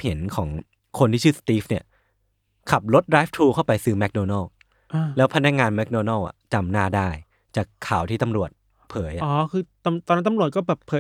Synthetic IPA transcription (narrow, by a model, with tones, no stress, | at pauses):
pʰi˩˦nkʰɔː˩˦ŋ | kʰo˧nt̪ʰiː˥˩t͡ɕʰɯː˥˩sḁ˧t̪iː˦˥p̚ni˥˩ə | kʰa˨˩p̚lo˦˥t̪̚ɾaː˦˥f̚t̪ʰɾuː˧kʰa˥˩wpa˧jsɯː˦˥mɛ˦˥k̚doː˧nɔ˥˩w | a˧˩lɛː˦˥wpʰa˧na˦˥k̚ŋaː˧nmɛ˦˥k̚doː˧nɔ˥˩wʔa̰˨˩t͡ɕa˧mnaː˥˩daː˥˩j | t͡ɕaː˨˩kʰːaː˨˩˦wt̪ʰiː˥˩t̪a˧mɾu˨˩ət̪̚ | pʰɤː˩˦jʔa˨ʔɔː˨˦kʰɯː˧t̪a˧t̪ɔː˧nːa˦˥nt̪a˧mɾu˨˩ət̪̚kɔː˥˩bɛː˨˩ppʰɤː˨˦j